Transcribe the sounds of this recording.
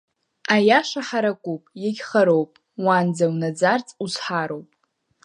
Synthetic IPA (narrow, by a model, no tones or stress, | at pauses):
ajaʂaħaɾakʷʼupʼjaɡʲχaɾowpʼ | wand͡zawnad͡zart͡sʼusħaɾowpʼ